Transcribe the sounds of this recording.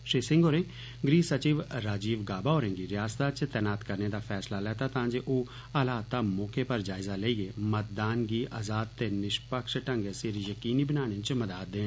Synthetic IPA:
ʃiːsɪ̃ŋɡoːɾẽː | ɡɾiːsət͡ʃiːʋɾaːd͡ʒiːʋɡaːbaːoːɾẽːŋɡiːɾɪjaːst̪aːt͡ʃt̪ɛːnaːt̪kəɾneːd̪aːfʰɛːslaːlɛːt̪aːt̪ãːd͡ʒeːʔoː | əlaːt̪aːmɔːkeːpəɾd͡ʒaːɪzaːleːieːmət̪̚d̪aːnɡiːʔaːzaːd̪̚t̪eːnɪʃpəkʃʈəŋɡeseɾijəkiːniːbənaːñẽt͡ʃməd̪aːt̪̚d̪ẽː

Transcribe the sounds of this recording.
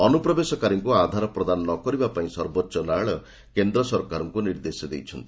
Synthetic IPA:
ɔnupɾɔbesɔkaɾiŋkuad̪ʱaɾɔpɾɔd̪anɔːɔkɔɾibapaĩsɔɾbɔtːʃɔlaɭɔ | kend̪ɾɔsɔɾkaɾɔŋkuniɾd̪esɔd̪ejt͡ʃʰɔnt̪i̥

